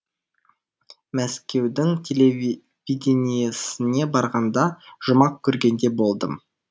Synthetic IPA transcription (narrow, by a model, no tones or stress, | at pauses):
mæskʲe̞wd̪ɪŋt̪ʲʰe̞le | vid̪ʲenijesɪne̞bɑɾʁɑnd̪ɑʒ̥ʊmɑq̚kʲʰɵɾɡʲe̞nd̪e̞bo̞lˠd̪ə̰m